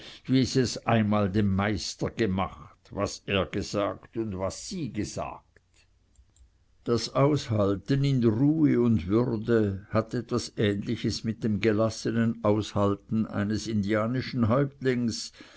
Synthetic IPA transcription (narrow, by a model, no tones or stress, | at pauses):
viːɪstɛsaɪnmaːldemːaɪstɐɡ̥əma̰χtvaseːɐɡ̥əz̥a̰ːktʊndvasːiːɡəz̥a̰ːk̚t | d̥asaʊshaltənɪnʁuːəʊndvʏʁdəhatɛtv̥asɛːnlɪçəsmɪt̚d̥emɡəlasənənʔaʊshaltn̩ʔa̰ɪnəsɪndiaːnɪʃn̩ɦɔʏp̚tlɪŋs